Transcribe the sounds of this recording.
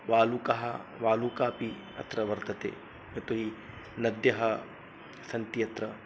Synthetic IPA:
ʋaːlukɐɦɐʋaːlukaːpi | ɐ̰t̪ɾɐʋɐɾt̪ɐt̪ḛː | mɐt̪uɦi | nɐd̪jɐɦɐ | sɐnt̪ijɐt̪ɾɐ

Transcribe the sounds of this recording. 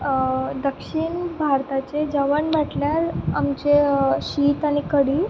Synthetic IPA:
d̪əkʂiɳbʱaɾt̪at͡sed͡zəʋəɳbaʈljaɾamt͡ɕeɕiːt̪aɽ̃ikəɽiː

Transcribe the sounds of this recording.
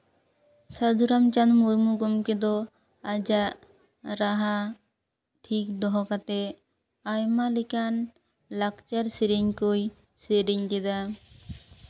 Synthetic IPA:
sad̪uɾamt͡ʃanmuɾmuɡomked̪ɔ | ad͡ʒa | ɾaɦa | ʈʰikd̪ɔɦɔkat̪e | ajmalikan | lakt͡ʃaɾseɾeɲkoj | seɾeɲd̪ed̪a

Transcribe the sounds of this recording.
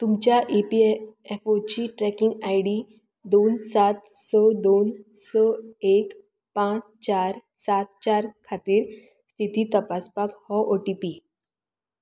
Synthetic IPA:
t̪umt͡ɕjaʔipiefot͡ɕiʈɾɛkiŋɡajɽi | d̪onsat̪səd̪onsɔek | pãt͡st͡ɕaɾ | sat̪̚t͡ɕaɾkʰat̪iːɾ | st̪ʰit̪iːt̪əpaspakhɔʔoʈipi

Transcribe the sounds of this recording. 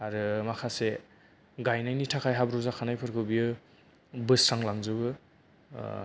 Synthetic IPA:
aɾɯmakʰase | ɡajnajnitʰakʰajɦabɾuzakʰanajpʰɯɾkʰɯbiɯ | bɯsɾaŋlaŋzɯbɯ

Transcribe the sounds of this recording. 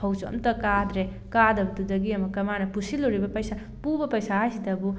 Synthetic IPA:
hʌwt͡ʃɐ̰mt̪ɐkad̪ɾe | kad̪ɐbut̪udɐɡiɐmɐkɐmanɐpusiluɾibɐpɐjsa | pubɐpɐjsaasit̪ɐbu

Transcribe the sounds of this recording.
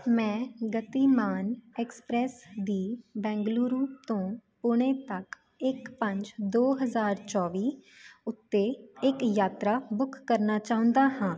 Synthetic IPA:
mɛ̃ːɡət̪iːmaːnɛːkspɾɛːsd̪iːbɛ̃ːŋɡluːɾuːt̪õːpʊɽ̃ẽːt̪ək | ɪkpə̃ɲd͡ʒd̪oːɦəzaːɾt͡ʃɔːʋiː | ʊt̪ːeːɪkjaːt̪ɾaːbʊkʰːəɾnaːt͡ʃaːʊ̃nd̪aːɦãː

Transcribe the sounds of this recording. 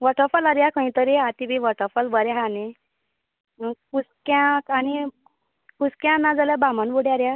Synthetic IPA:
ʋəʈʰəfəlaɾjakə̃ĩt̪əɾeat̪ibiʋəʈʰəfəlbəɾjaɦane | kuskjãkani | kuskjãnad͡zaljabamanbuɽjaɾja

